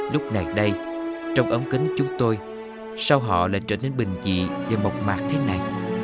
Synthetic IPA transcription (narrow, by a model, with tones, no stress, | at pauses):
lʊ˦˥k͡p̚na˨˩jɗə˧jt͡ɕɔ˧wŋ͡mʔə˨˦mkï˨˦ŋt͡ɕʊ˨˦ŋ͡mt̪o˧j | sa˧wɦɔ̰˧˨la̰ː˧˨jt͡ɕəː˧˩ne˧nɓï˨˩ŋ̟t͡ɕḭ˧˨veː˨˩mo˨˩k͡p̚maː˨˩k̚t̪ʰe˨˦na˨˩j